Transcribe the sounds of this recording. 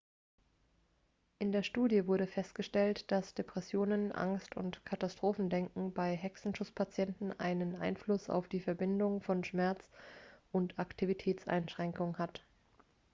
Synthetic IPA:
ʔɪndeːɐʃtuːdjəvʊɐɾəfɛstɡ̥əʃtɛltd̥asd̥epʁ̥ɛsjoːnənʔa̰ŋstʊ̰ntkʰatastʁ̥oːfn̩dɛŋkŋ̩baɪɦɛksn̩ʃʊt͡spʰat͡sjɛntn̩ʔa̰ɪnənʔa̰ɪnflʊsa̰ʊfd̥iːfɛɐbɪndʊŋfɔnʃmɛɐt͡sʔʊntaktʰivitʰɛːt͡sʔa̰ɪnʃʁ̥ɛŋkʊŋhat

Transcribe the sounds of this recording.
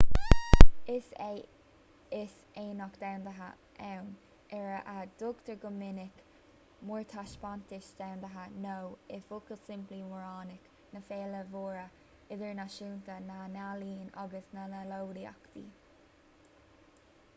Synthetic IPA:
ɪs | ɪs | eːnɔkd̪awnd̪əɦa̰ | ʔɛwn | ɛɹəʔad̪̥ʊkt̪əɹɡʊmɪnɪk | muɹt̪ʰaʃpant̪ɪʃd̪̥awnd̪əɦanowɪfʊkəlsɪmpliwəɹɑːnɪk | nəfeːləvoːɹə | ɪðəɹnaʃuːnt̪ənanaliːnɑɡəsnalalowɾia̰kt̪ḭː

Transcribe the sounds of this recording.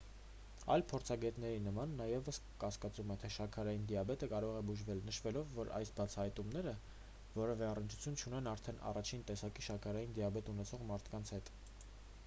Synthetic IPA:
ɑ̰jlpʰɔɾt͡sʰɑɡɛt̪nɛɾinəmɑnːɑjɛvəskɑskɑt͡sumɛt̪ʰɛʃɑkʰɑɾɑjind̪iɑbɛt̪əkɑɾɔʁɛbuʒvɛlnəʃvɛlɔvːɔɾɑ̰jsbɑt͡sʰɑhɑjt̪umnɛɾə | vɔɾɛvɛɑrənt͡ʃʰu̥t͡sʰjunt͡ʃʰunɛnɑɾt̪ʰɛnɑ̰rɑt͡ʃʰint̪ɛsɑkiʃɑkʰɑɾɑjind̪iɑbɛt̪unɛt͡sʰɔʁmɑɾt̪ʰkɑnt͡sʰhɛt̪

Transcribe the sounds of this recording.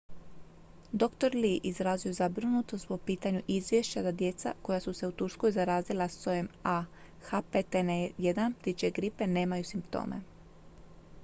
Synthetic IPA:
d̪o̞kt̪o̞ɾliʔizɾaːziozabɾɨnut̪o̞st̪̚po̞piːt̪aɲuʔizʋʲjeʃt͡ɕad̪ad̪je̞t̪sa̰ko̞jasuse̞ut̪uɾsko̞jzaɾaːzilˠast̪ojema | xapet̪enjed̪anp̚t̪it͡ʃeɡɾipe̞ne̞ːmajusimpt̪o̰ːme̞̰

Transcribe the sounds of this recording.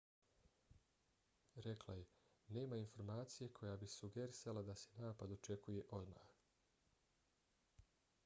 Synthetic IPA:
ɾe̞klˠaje̞ | ne̞ːmainfo̞ɾmaːt̪sije̞kʰo̞jabisuɡeɾisalad̪ase̞naːpad̪o̞t͡ʃe̞kuje̞ʔo̞d̪ma̰x

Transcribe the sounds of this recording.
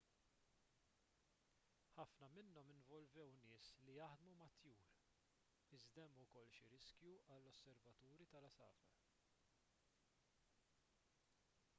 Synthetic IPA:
ħɐfnɐmɪnːɔmɪnvɔlvɛwnɪːslijɐħd̪mumɐt̪juːɾ | ɪzd̪ɛmːʊkɔlːʃiɾɪskjuɐlːɔsːɛɾvɐt̪uːɾit̪ɐlɐsɐ̰ːfɐ̰

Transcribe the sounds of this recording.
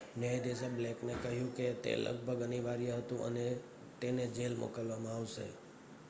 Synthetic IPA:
nəjd̪esəbleknekəɦjũket̪ḛlʔə̰ɡ̚bʱəɡəniʋaɾijəɦət̪ũʔə̰ne | t̪ened͡ʒelmo̰kəlʋamãaʋʃḛ

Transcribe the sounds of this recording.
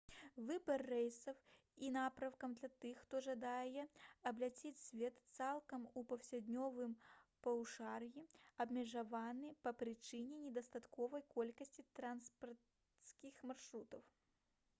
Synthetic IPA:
vɨbɐrːɛjsɐw | inapɾɐwkɐmd̪lʲat̪ɨxːt̪ɔʐad̪ajɛɐblʲat͡sʲit͡sʲsʲvʲɛt̪t̪salˠkɐmupɐwsʲad̪ʲnʲɔvɨmpɐwʂarjiɐbmʲɛʐavanɨpɐpɾɨt͡ʂɨnʲɛnʲɛd̪ɐst̪at̪kɔvɐjkɔlʲkɐsʲt͡sʲit̪ɾanspɐrt̪ | skʲixmarʂɾut̪ɐw

